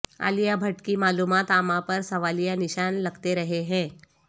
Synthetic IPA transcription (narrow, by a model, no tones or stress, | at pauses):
a̰ːlijabʱɐʈkimaːluːmaːt̪aːmãpɐɾsɐʋaːlijanɪʃaːnlɐɡt̪eɾɐɦeɦɛ̃ː